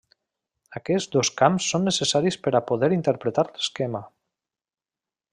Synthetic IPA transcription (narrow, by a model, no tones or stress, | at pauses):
akɛzd̪oskamsːonːesesaɾispəɾapoðɛɾint̪eɾpɾet̪aɾle̥skɛma